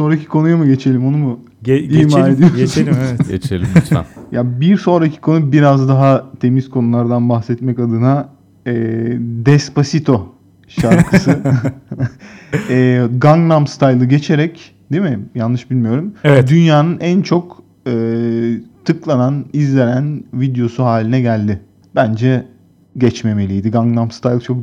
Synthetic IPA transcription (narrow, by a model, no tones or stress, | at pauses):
sonɾacʰi̥kʰo̞nujamɯɟe̞t͡ʃʰe̞lʲimo̞numu | imaɾed̪ijoiɟet͡ʃʰelʲimt͡ʃʰa̰jabiɾso̞nɾacʰi̥kʰo̞nubiɾazd̪aɦat̪ʰe̞miz̥kʰo̞nulˠaɾd̪anbaxsɛt̪mɛkad̪ɯna | ɛd̪ɛspasit̪ʰo̞ | ʃaɾʰɯsɯ | ɛɡaŋɡnamst̪ʰajlˠɯɟe̞t͡ʃʰe̞ɾɛc | d̪̥emɪjanˠːɯʃbilʲmijo̞ɾumɛd̪ynjaːnɯnænt͡ʃʰo̞k | ɯːt̪ʰɯklˠananizlʲe̞ɾænvid̪jo̞suɦaːlʲinɛɟælʲd̪ɪ | b̥ænd͡ʒɛ | ɟɛt͡ʃme̞me̞lʲijd̪iɡaŋɡnamst̪ajlˠt͡ʃʰo̞k̚